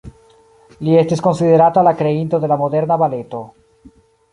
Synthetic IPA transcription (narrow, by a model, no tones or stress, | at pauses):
ljest̪esko̞nsiðeɾat̪oalakɾeint̪oðe̞lamoðeɾnaβalet̪o